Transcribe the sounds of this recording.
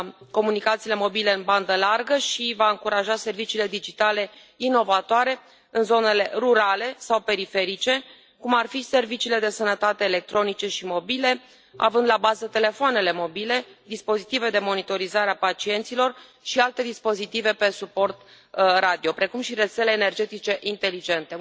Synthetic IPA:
ko̞munikat̪siːle̞mo̞bile̞ɨnband̪əlarɡəʃivaɨŋkuɾaʒase̞rvit͡ʃiːle̞d̪id͡ʒit̪ale̞ | ino̞vat̪oaɾe̞ | ɨnzo̞ne̞le̞ruɾale̞sawpe̞ɾife̞ɾit͡ʃe̞ | kumarfise̞rvit͡ʃiːle̞d̪e̞sənət̪at̪eːle̞k̚t̪ɾo̞nit͡ʃe̞ʃimo̞bile̞ | a̰vɨnd̪labazət̪e̞le̞foane̞le̞mo̞bile̞d̪ispo̞zit̪ive̞d̪emo̞nit̪o̞ɾizaɾeapat͡ʃie̞nt̪silo̞r | ʃialt̪e̞d̪ispo̞zit̪ive̞pe̞supo̞rt̪ | rad̪io̞pɾe̞kumʃiɾe̞t̪se̞le̞ːne̞rd͡ʒe̞t̪it͡ʃe̞ʔint̪e̞lid͡ʒent̪e̞

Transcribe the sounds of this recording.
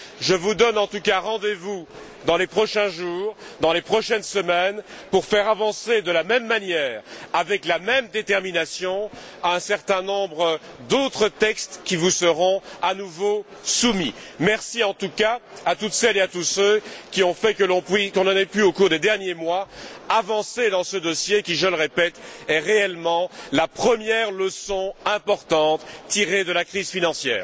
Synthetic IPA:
ʒəvud̪ɔnɑ̃t̪ukaʁɑ̃d̪evu | d̪ɑ̃lepχɔʃɛ̃ʒuːʁd̪ɑ̃lepχɔʃɛnsəmɛnpuʁfɛʁavɑ̃sed̪əlamɛmːanjɛːʁavɛklamɛmd̪et̪ɛʁminasjɔ̃ | aɛ̃sɛʁt̪ɛ̃nɔ̃bʁəd̪ot̪χət̪ɛkst̪kʲivusəʁɔ̃anuvosumimɛʁsiɑ̃t̪ukaat̪ut̪sɛleat̪usøkʲiɔ̃fɛkəlɔ̃pɥikɔ̃nɑnɛpyokuʁd̪ed̪ɛʁnjemwaavɑ̃sed̪ɑ̃səd̪ɔsjekʲiʒələʁepɛt̪ɛʁeɛlmɑ̃lapχəmjɛʁləsɔ̃ɛ̃pɔʁt̪ɑ̃t̪ːiʁed̪əlakχizfinɑ̃sjɛ̰ːʁ

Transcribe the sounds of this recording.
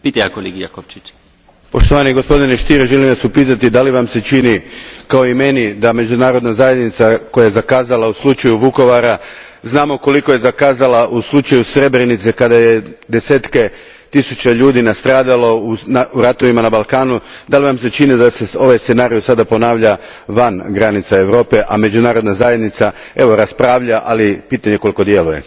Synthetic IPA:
pit̪ajakoliɡija̰kopt͡ʃit͡ʃ | po̞ʃt̪o̞ʋaniɡo̞spo̞d̪ine̞ʃt̪iɾeʒelimʋasupiːt̪at̪id̪aliʋamse̞t͡ʃinikao̞ime̞nid̪ame̞d͡ʒunaːɾo̞d̪nazaje̞d̪nit̪sako̞jaje̞zakaːzalˠauslut͡ʃajuʋuko̞ʋaɾa | znaːmoko̞liko̞je̞zakaːzalaʔuslˠut͡ʃajusɾe̞bɾenit̪sekad̪aje̞d̪e̞seːt̪ke̞ | t̪isut͡ʃeʎuːd̪inast̪ɾaːd̪alo̞unauɾat̪o̞ʋimanabalˠkaːnud̪aliʋamse̞t͡ʃinid̪aseso̞ʋajst̪senaːɾijosad̪apo̞naːʋʎa | ʋanɡɾanit̪sae̞ʋɾo̞ːpe̞ʔame̞d͡ʒunaːɾod̪nazaje̞d̪nit̪sa | e̞ʋo̞ɾaspɾaːʋʎaʔalipiːt̪aɲe̞ko̞lˠiko̞d̪je̞luje̞̰

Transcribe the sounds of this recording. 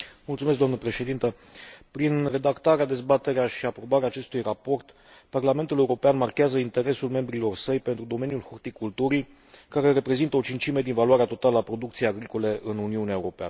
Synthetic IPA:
mult̪sumes̬kd̪oamnəpɾe̞ʃe̞d̪int̪ə | pɾinre̞d̪akt̪aɾead̪e̞zbat̪e̞ɾeaʃiapɾo̞baɾeaːt͡ʃe̞st̪ujrapo̞rt̪ | parlame̞nt̪ule̞uɾo̞peanmarkʲeazəint̪e̞ɾe̞sulme̞mbɾilo̞rsəjpent̪ɾud̪o̞me̞njulhort̪ikult̪uɾi | kaɾe̞re̞pɾe̞zint̪əo̞t͡ʃint͡ʃime̞d̪invalwaɾeat̪o̞t̪aləapɾo̞d̪ukt̪sijeaɡɾiko̞le̞ʔɨnuniuneaeuɾo̞pea̰nə

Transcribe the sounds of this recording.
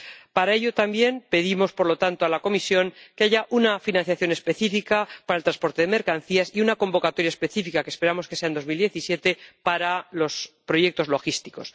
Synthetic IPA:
paɾaeʎo̞t̪ambje̞npe̞ðimo̞spo̞ɾlo̞t̪ant̪oalako̞misjo̞ŋke̞aʝaʔunafinãnθjaθjo̞nespe̞θifikapaɾaelt̪ɾaspo̞ɾt̪e̞ðeme̞ɾkan̟θiasiunako̞mbo̞kat̪o̞ɾjaespe̞θifikakespe̞ɾamo̞skese̞aend̪o̞zmild̪je̞θisje̞t̪e̞paɾalo̞spɾo̞je̞k̚t̪o̞zlo̞xist̪i̥kos

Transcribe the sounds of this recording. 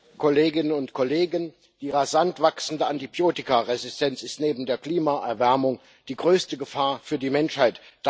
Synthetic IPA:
kʰoleːɡɪnənʊntkʰɔleːɡən | d̥iːʁazantv̥aksn̩dəantibjoːtɪkaʁezɪstʰɛnt͡sɪstneːbm̩deːɐkl̥iːmaʔɛɐvɛɐmʊŋ | d̥iːɡʁøːstəɡəfaːɐfyːɐdiːmɛnʃhaɪtd̥

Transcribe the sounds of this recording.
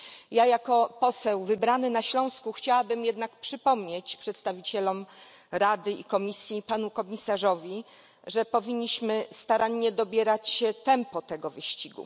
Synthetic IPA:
jajakɔpɔsɛwvɘbɾanɘnaɕlɔ̃w̃skuxt͡ɕawabɘmjɛd̪nakpʂɘpɔmɲet͡ɕpʂɛt̪st̪avʲit͡ɕɛlɔm | ɾad̪ɘḭkɔmʲisʲjipanukɔmʲisaʐɔvʲi | ʐɛpɔvʲiɲːiɕmɘst̪aɾaɲːɛd̪ɔbʲjɛɾat͡ɕɛt̪ɛmpɔt̪ɛɡɔvɘɕt͡ɕiɡṵ

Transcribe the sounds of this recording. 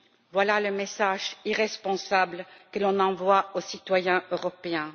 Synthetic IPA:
vwalaləmesaʒiʁɛspɔ̃sablkəlɔ̃nɑ̃vwaosit̪wajɛ̃øʁɔpeɛ̃

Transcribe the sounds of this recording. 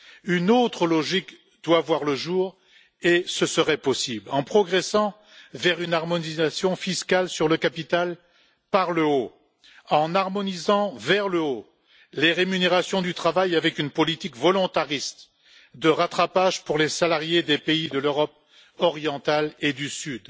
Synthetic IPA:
ynot̪χəlɔʒik | d̪̥wavwaʁləʒuːʁ | esəsəʁɛpɔsiblɑ̃pχɔɡʁɛsɑ̃ | vɛʁynaʁmɔnizasjɔ̃fiskalsyʁləkapit̪al | paʁləo | ɑ̃naʁmɔnizɑ̃vɛʁləo | leʁemyneʁasjɔ̃d̪yt̪χavajavɛkynpɔlit̪ikvɔlɔ̃t̪aʁist̪ | d̪əʁat̪χapaʒpuʁlesalaʁjed̪epeid̪əløʁɔp̚ | ɔʁjɑ̃t̪aled̪ysyd̪

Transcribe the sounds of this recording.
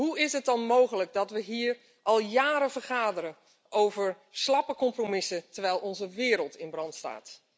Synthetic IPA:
ɦuɪsət̚dɑnmowɣələk̚dɔtʋəɦiːr | ʔɑlˠjaːɾəvərχaːdəɾə | owvəɹ | slɑpəkɔmpromɪsətəɹʋɛjlˠɔnzəʋɪːɾəlˠtʰɪnbrɑntsta̰ːt

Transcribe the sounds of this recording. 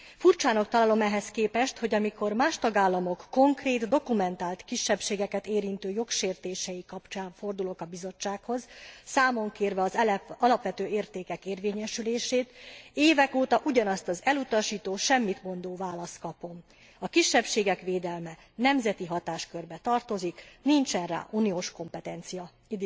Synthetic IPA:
furt͡ʃaːnok̚t̪ɒlaːlo̞mɛɦɛskeːpɛʃt̪ho̞ɟɒmiko̞rmaːʃt̪ɒɡaːlːɒmo̞kːo̞ŋkreːt̪d̪o̞kumɛnt̪aːlt̪kiʃːɛpʃeːɡɛkɛt̪eːɾint̪øːjo̞kʃeːrt̪eːʃɛjikɒpt͡ʃaːɱfo̞rd̪ulo̞kɒbizo̞t͡ʃːaːkho̞zsaːmo̞ŋkeːrvɛɒzɒlɒpʋɛt̪øːeːrt̪eːkɛkeːrveːɲɛʃyleːʃeːt̪eːvɛkoːt̪ɒʔuɟɒnɒst̪ɒzɛlut̪ɒʃiːt̪oːʃɛmːit̪mo̞nd̪oːvaːlɒst̪̚kɒpo̞m | ɒkiʃːɛpʃeːɡɛkʋeːd̪ɛlmɛ | nɛmzɛt̪iɦɒt̪aːʃkørbɛt̪ɒrt̪o̞ziknint͡ʃɛnra̰ːʔunijoːʃko̞mpɛt̪ɛnt̪sijɒ

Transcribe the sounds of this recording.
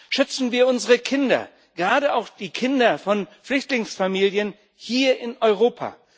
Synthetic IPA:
ʃʏt͡sn̩viːɐʊnzəʁəkʰɪndɐ̰ | ɡ̥əʁaːɾəaʊxd̥iːkʰɪndɐfɔnflʏçtlɪŋsfamiːljən | hiːɐɪnʔɔʏʁ̞oːpʰa̰ː

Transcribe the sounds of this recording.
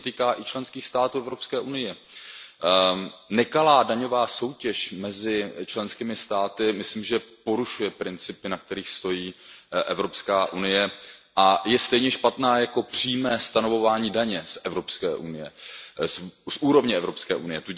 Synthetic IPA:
t̪iːkaːʔɪt͡ʃlɛnskiːxst̪aːt̪uːɛvɾo̞pskɛːʔunɪjɛ | nɛkalaːdaɲo̞vaːso̞wcɛʃmɛzɪt͡ʃlɛnskiːmɪst̪aːt̪ɪmɪslimʒɛpo̞ɾuʃujɛpɾɪnt͡sɪpɪnak̚t̪ɛɾiːxst̪o̞jiːʔɛvɾo̞pskaːʔunɪjɛʔajɛst̪ɛjɲɛʃpat̪naːjako̞pr̝̥iːmɛːst̪ano̞vo̞vaːɲiːdaɲɛsʔɛvɾo̞pskɛ̰ːʔunɪjɛssʔuːɾo̞vɲɛɛvɾo̞pskɛ̰ːʔunɪjɛt̪u

